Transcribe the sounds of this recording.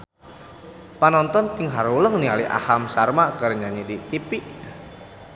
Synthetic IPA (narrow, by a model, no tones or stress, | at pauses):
panɔnt̪ɔnt̪iŋɦaɾuləŋnialiʔa̰hamsarmakərɲaɲidik̪ipiʔ